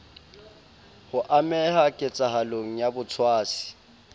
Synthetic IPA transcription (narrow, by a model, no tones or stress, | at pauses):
hʊʔamɛhakʼɪt͡sʼahaloŋ̩jabʊt͡sʰwaːsɪ̥